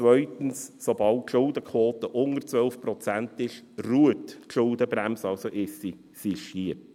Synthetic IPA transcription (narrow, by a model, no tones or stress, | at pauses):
t͡sʋœʏt̪ən̩ssobɑltːʃʊld̪əkʰʋɔːt̪əʔʊŋəɾt͡sʋœlfpɾɔt͡sænt̪ɪʃruətʃʊldəbɾæmsɑlsoʔɪsi | siʃhiə